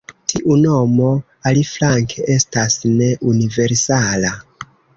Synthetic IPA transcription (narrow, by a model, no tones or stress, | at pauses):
tʰiʔuno̞mo̞ | aliflaŋkʰeʔe̞stasne̞ʔunive̞ɾsala